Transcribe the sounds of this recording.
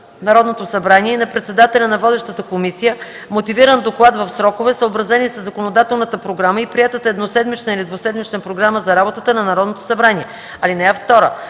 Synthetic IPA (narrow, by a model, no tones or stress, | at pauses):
nɐɾɔd̪not̪osɐbɾaniɛinɐpɾɛt̪sɛd̪at̪ɛlʲɐnɐvɔd̪ɛʃt̪ət̪əkomisijə | mot̪iviɾənd̪oklˠad̪vɐfsɾɔkovɛsəobɾɐzɛnisəzːɐkonod̪at̪ɛlˠnət̪əpɾoɡɾaməipɾiɛt̪ət̪ɛd̪nosɛd̪mit͡ʃnəɛlid̪vosɛd̪mit͡ʃnəpɾoɡɾaməzɐɾabot̪ət̪ənɐnɐɾɔd̪not̪o̥sɐbɾaniɛ | ɐlinɛɛft̪ɔɾə